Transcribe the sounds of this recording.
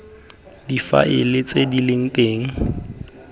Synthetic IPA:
difa̰ʔɪlɪt͡sʼedilɪŋ̩tʼeːŋ̩

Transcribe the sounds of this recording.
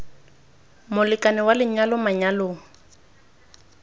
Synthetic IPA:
mʊlɪkʼanɪwalɪɲalʊmaɲaloːŋ̩

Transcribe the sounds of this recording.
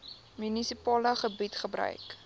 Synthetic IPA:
mynisipɑːləχəbitχəbɾœ̰ɥk

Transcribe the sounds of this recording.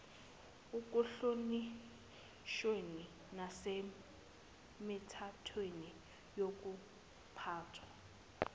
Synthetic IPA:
uk̬ʼuɬoni | ʃweni | nase | mitʰatʰweni | jok̬ʼu | pʰaːtʰwa

